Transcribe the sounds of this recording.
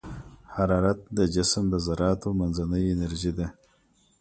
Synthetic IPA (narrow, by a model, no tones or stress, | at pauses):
haɾɑɾat̪̚d̪əd͡ʒɪsmd̪əzaɾɑːt̪omanzanəjɪneɾʒid̪a